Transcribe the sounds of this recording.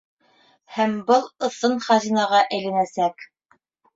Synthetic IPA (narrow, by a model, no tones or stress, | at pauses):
hæmbɤlˠɤ̆θɤnχɑzinɑʁɑʔæ̆jlænæsæk